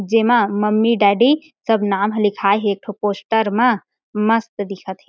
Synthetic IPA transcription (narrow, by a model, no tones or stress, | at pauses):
d͡ʒemãməmːiɖaɖi | səbʱnamɦlikʰajɦek̚ʈʰoposʈəɾmã | məst̪d̪ikʰət̪ɦi